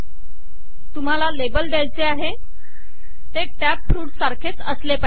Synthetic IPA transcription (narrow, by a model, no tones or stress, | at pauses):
t̪um̤alalebəld̪jajt͡seaɦe | t̪eʈæpːɾuːʈsaɾkʰet͡səslepa